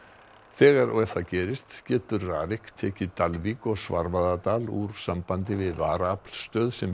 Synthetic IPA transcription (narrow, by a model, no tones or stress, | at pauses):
θɛːɣaɾɔ̰ɣɛfθaðcɛːɾɪst̪cɛːt̪ʏɾraːɾɪhkt̪ʰɛːcɪt̪alvikɔsvaɾvaðat̪aːlṵɾ̥sampant̪ɪvɪðvaːɾapl̥st̪œːðsɛm